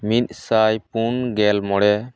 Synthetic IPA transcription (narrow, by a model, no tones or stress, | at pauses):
mit̪̚sajpunɡɛlmɔɽɛ